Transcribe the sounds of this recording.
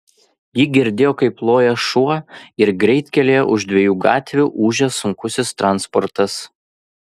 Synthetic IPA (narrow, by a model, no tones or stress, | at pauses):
jɪɡʲɪɾʲd̪ʲeːjoːkɐɪplˠoːjɛʃuɔɪɾɡɾʲɛɪt̪ʲkʲɛlʲeːjoʔʊʒd̪ʲʋʲɛjuːɡɑːt̪ʲʋʲuːʔuːʒʲɛsʊŋkʊsʲɪst̪ɾɑnspɔɾt̪ɐs